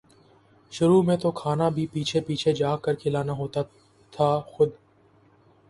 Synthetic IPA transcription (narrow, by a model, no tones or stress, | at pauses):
ʃʊɾuːmẽt̪okʰaːnabʱiːpiːt͡ʃʰepiːt͡ʃʰed͡ʒaːkəɾkʰɪlaːnaɦoːt̪a | t̪ʰaːxʊd̪